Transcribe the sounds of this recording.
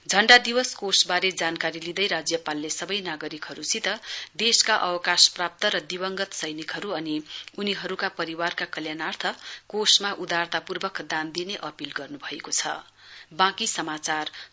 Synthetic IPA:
d͡zʱʌɳɖad̪iwʌskosbaɾed͡zankaɾilid̪ʌjɾad͡zjʌpalːesʌbʌjnaɡʌɾikɦʌɾusit̪ʌd̪eskaʔʌ̰wʌkasprap̚t̪ʌɾʌd̪ibʌŋɡʌt̪sʌjnikɦʌɾuʌniuniɦʌɾukapʌɾiwarkakʌljanart̪ʰʌkosmaʔud̪art̪apurbʌkd̪and̪ineʔʌpilɡʌrnubʱʌekot͡sʰʌ̰ | bãkisʌmat͡sar

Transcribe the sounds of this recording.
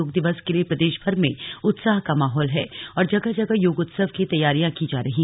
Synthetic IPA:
oːɡd̪ɪʋəskeliepɾɐd̪eːʃbʱɐɾmẽʊt̪saːɦkamaːɦɔːlɦɛːɔːɾd͡ʒɐɡad͡ʒɐɡajoːɡʊt̪səʋkit̪ɐjaːɾijãkid͡ʒaːɾɐɦiː

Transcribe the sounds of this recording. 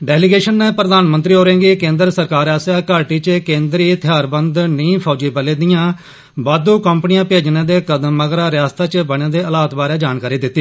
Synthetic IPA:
ɖɛːlɪɡeːʃənːeːpɾəd̪aːnmənt̪ɾiːɦoːɾẽːŋɡiːkẽːnd̪əɾsəɾkaːɾaːsjaːkaːʈiːt͡ʃkẽːnd̪ɾiːt̪ʰɪjaːɾbənd̪nĩːpʰɔːd͡ʒiːpəleːd̪ijãː | baːd̪uːkəmpənijãːpeːd͡ʒneːd̪eːkəd̪əmːəɡɾaːɾɪjaːst̪aːt͡ʃbəɽeːd̪eːəlaːt̪baːɾeːd͡ʒaːnkaːɾiːd̪ɪt̪ːiː

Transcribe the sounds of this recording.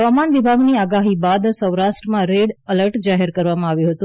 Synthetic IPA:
ɦəʋamanʋɪbʱaɡniaɡaɦibad̪səwɾaʃʈɾəmãɾeɽələɾʈd͡ʒaɦeɾkəɾʋamãaʋjũɦət̪ũ

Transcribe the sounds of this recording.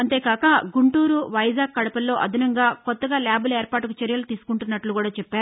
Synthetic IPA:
ɐnt̪e̞ːkaːkɐɡuɳʈuːɾuʋɐjzaːɡ̚kɐɽɐpɐlːo̞ːʔɐd̪ʱinɐŋɡaːkɔt̪ːɐɡaːlaːbɐleːɾpaːʈukut͡ʃɐɾjɐlut̪iːsu̥kuɳʈunːɐʈlukuːɽaːt͡ʃɛpːaːɾu

